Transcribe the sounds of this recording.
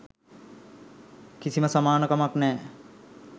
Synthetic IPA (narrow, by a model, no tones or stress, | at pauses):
kisiməsamaːnəkamaknɛː